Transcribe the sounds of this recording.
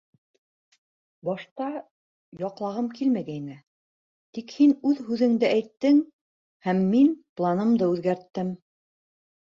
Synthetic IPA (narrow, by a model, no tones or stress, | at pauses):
bɑʃt̪ɑ | jɑqlˠɑʁɤmkilmæɡæjnɘ | t̪ikhinʉðɦʉðɘ̆ŋd̪ɘʔæjt̪ːɘŋ | hæmːinplˠɑnɤmd̪ɤʉðɡæɾt̪ːɘm